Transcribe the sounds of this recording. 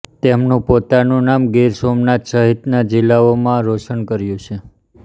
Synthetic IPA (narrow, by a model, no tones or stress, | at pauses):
t̪emnũpot̪anũnamɡiɾsomnat̪səɦit̪nad͡ʒɪlːaomãɾoʃənkəɾjũt͡ʃʰe